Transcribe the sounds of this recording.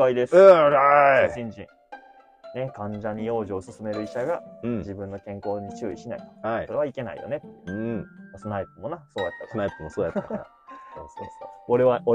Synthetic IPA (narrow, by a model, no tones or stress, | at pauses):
aid̪es | ɕĩɲd͡ʑĩŋ | ne̞kãɲ̟d͡ʑaɲ̟ijo̞ːʑiosɨsɨme̞ɾɯ̟iɕaɡãd͡ʑibɯ̟̃nːo̞kẽ̞ŋko̞ːɲ̟it͡ɕɨːiɕina̰iaikoɾeβaike̞na̰ḭjo̞̰ne̞t̪ː | masonaipːɯmo̞naso̞ːjat̪ːanaipːɯmosoːjat̪ːa | asooɾeβao